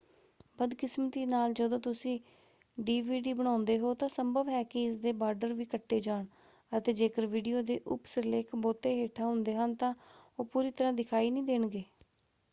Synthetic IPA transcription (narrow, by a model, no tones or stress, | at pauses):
bəd̪kɪsmət̪iːnaːld͡ʒəd̪õːt̪ʊsĩː | ɖiːʋiːɖiːbəɽ̃ãːʊnd̪eːɦoːt̪ãːsəmbəʋɦɛːkɪɪsd̪eːbaːɾɖəɾʋiːkəʈːeːd͡ʒaːɳ | ət̪eːd͡ʒeːkəɾʋiːɖijoːd̪eːʔʊpsəleːkʰboːt̪eːɦeːʈʰaːɦʊnd̪eːɦənt̪ãːoːpuːɾiːt̪əɾãːd̪ɪkʰaːiːnĩːd̪eːɳɡeː